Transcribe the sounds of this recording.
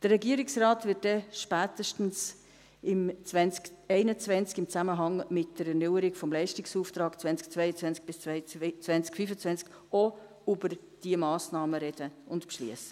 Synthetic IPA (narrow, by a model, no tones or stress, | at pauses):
d̥ərɛɡiəɾɪksrɑːtvɪt̚dɛʃpæːtəʃtn̩s | ɪmt͡svɛnt͡skɛɪnət͡svɛnt͡skɪmt͡sæməɦɑŋmɪtd̥əɾɛnʏwəɾɪɡfɔmlɛɪʃtɪksuːft̪ɾɑːkt͡svɛnt͡sk̚t͡sʋɛɪət͡sʋɛnt͡sk̚b̥ɪst͡st͡sʋɛnt͡skfyfət͡svɛnt͡sk | o | ybəɾ | d̥iəmɑːsnɑːməɾɛd̥əʊntpʃlḭəsə̥